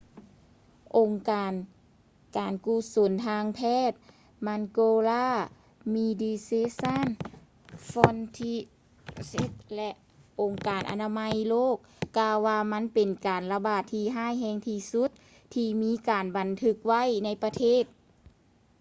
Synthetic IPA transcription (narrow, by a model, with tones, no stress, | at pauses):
ʔo˨˩ŋkaː˨n | kaː˨˩nkuː˧˩˨so˨˩˦nt̪ʰaː˧ŋpʰɛː˧˥˩t̪̚ | ma˧nkoː˧laː˧˥˩ | miː˧diː˧seː˧˥sa˧˥˨n | fɔ˧nt̪ʰi˧ | se˧˦˥t̪̚lɛ˧ʔ | ʔo˨ŋkaː˨˩nʔa̰˧naː˧ma˧˥jloː˥˩k̚ːaː˧wːaː˧ma˧˥˨npe˨nkaː˨nla˧baː˧˩t̪ʰːiː˧ɦaː˥˩jɦɛː˧˩ŋt̪ʰiː˧su˧˦˥t̪̚ʰː | iː˧miː˧˥˨kaː˨˩nba˨˩nt̪ʰɯ˧˥k̚wa˧˥˨jna˧˥jpa˧t̪ʰeː˥˩t̪̚